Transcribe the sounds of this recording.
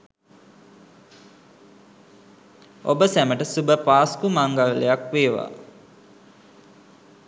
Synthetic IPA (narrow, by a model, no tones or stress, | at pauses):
o̰bəsæməʈəsubəpaːskumaŋɡallejakʋeːʋa̰